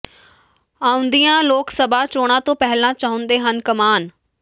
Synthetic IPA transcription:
aːʊ̃nd̪ijãːloːksəbaːt͡ʃoːɽ̃ãːt̪õːpɛɦlãːt͡ʃaːɦʊ̃nd̪eːɦənkəmaːn

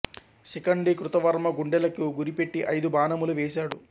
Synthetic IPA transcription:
sikɐɳɖikɾut̪ɐʋɐɾmɐɡuɳɖɛlɐkuɡuɾipe̞ʈːiʔɐjd̪ubaːnɐmuluʋeːʃaːɽu

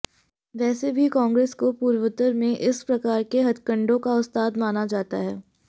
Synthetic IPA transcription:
ʋɛːsebʱikãːŋɡɾeːskopuːɾʋət̪əɾmẽʔɪspɾɐkaːɾkeɦɐd̪kə̃ɳɖõkaʊst̪aːd̪maːnad͡ʒaːt̪aɦɛː

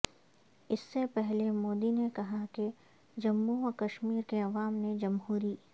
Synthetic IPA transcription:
ɪsːepɛɦlemoːd̪inekɐɦake | d͡ʒɐmːuɔkɐʃmiːɾkeɐʋaːmned͡ʒɐmɦuːɾiː

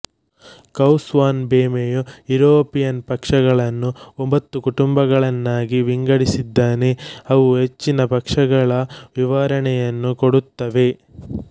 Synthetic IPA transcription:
kɐwsʋaːnbeːmejujuɾoːpijɐnpɐkʂɐɡɐɭɐnːuombɐt̪ːukuʈumbɐɡɐɭɐnːaːɡiʋiŋɡɐɽisid̪ːaːneɐʋuɦet͡ʃːinɐpɐkʂɐɡɐɭɐʋiʋaːɾɐɳɛjɐnːukoɽut̪ːɐʋe̞

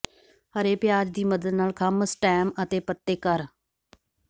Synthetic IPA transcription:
həɾeːpɪjaːd͡ʒd̪iːməd̪əd̪naːlkʰəməsʈɛːmət̪eːpət̪ːeːkəɾ

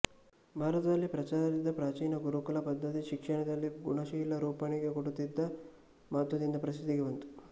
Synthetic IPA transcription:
bʱaːɾɐt̪ɐd̪ɐlːipɾɐt͡ʃaːɾɐd̪id̪ːɐpɾaːt͡ʃiːnɐɡuɾukulɐpɐd̪ːɐt̪iʃikʂɐɳɐd̪ɐlːiɡuɳɐʃiːlːɐɾuːpɐɳiɡe̞koɽut̪id̪ːɐ | maːt̪ʋɐd̪ind̪ɐpɾɐsid̪ʱːiɡeʋɐnt̪u̥

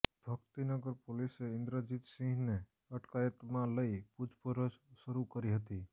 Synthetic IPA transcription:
bʱəkt̪inəɡəɾpoliseɪ̃nd̪ɾəd͡ʒit̪sĩɦne | əʈkajət̪mãləipud͡ʒpəɾəssəɾukəɾiɦət̪i

